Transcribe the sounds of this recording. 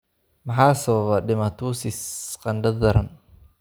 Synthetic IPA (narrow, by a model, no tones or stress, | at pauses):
mɐħaːsɐβɐβɐɖɪmɐt̪ʰuːsɪsqɑnd̪ɐd̪ɐɾɐn